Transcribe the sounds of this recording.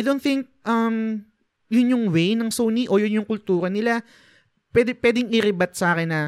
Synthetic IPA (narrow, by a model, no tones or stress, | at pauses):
jd̪ownθɪ̃ŋk̚ʔɐm | jʊnjʊŋwejnɐŋsoːniʔo̞jʊnjʊŋkʊlt̪uːɾɐnɪla | pwɛːd̪ɪpwɛːd̪ɪŋɪɾɪbɐt̪̚sɐʔaːkɪnːɐ